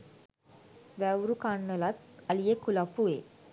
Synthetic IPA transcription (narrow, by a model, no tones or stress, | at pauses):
ʋɛʋɾukaɳːəlat̪alijekʰulapue